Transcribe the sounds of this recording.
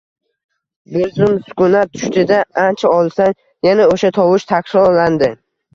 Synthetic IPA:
bʊɾzɪmsʊ̥kʊnat̪ʰʊ̥ʃt̪ɪd̪aant͡ʃʰaɒlˠsan | janaoʃat̪ʰɒwɪʃt̪ʰaksɒland̪ɪ

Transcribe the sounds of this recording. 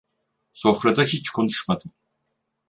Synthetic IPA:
so̞fɾad̪aɦit͡ʃkʰo̞nuʃmad̪ɯm

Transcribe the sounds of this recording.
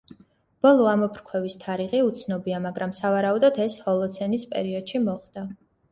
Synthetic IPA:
b̥ɔlˠɔamɔpʰɾkʰwɛvist̪ʰaɾiʁiut̪sʰnɔbiamaɡɾamsavaɾaud̪ɔd̪ʰɛshɔlˠɔt̪sʰɛnispʼɛ̰ɾiɔd̪̥ʃimɔχd̪a

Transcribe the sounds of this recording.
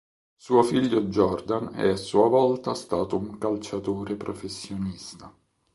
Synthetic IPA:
suːofiʎːod͡ʒɔrd̪anɛ̰asːuːavɔlt̪ast̪aːt̪ouŋkalt͡ʃat̪oːɾepɾofesːjonist̪a

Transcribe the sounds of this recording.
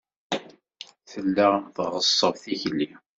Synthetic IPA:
θəlːaθʁəsˤːəvθiçlːi

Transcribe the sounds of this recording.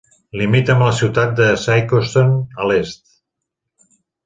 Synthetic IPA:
limit̪əmləsiwt̪at̪̚d̪əsajkost̪onəlest̪

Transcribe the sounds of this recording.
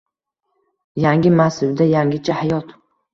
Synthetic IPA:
jaŋɡʲɪmasɪbd̪ajaŋɡʲɪt͡ʃʰahajɒt̪

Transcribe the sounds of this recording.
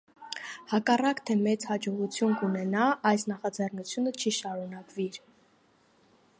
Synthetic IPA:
hɑkɑrɑkt̪ʰɛmɛt͡shɑd͡ʒɔʁut͡sʰjunkunɛnɑɑjsnɑχɑd͡zɛrnut͡sʰjunət͡ʃʰiʃɑɾunɑkviɾ

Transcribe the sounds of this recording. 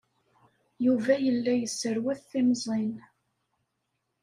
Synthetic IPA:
juvæjəlːæjəsːəɾwæθθiməzˤin

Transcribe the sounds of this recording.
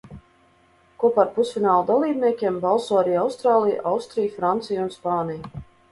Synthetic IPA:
kuɔpaːɾpusfʲinaːlˠud̪alˠiːb̚nʲiɛkʲeɛmbalˠsoɔaɾiːawst̪ɾaːlˠij̰ʔawst̪ɾijfɾant̪sijunspaːnij

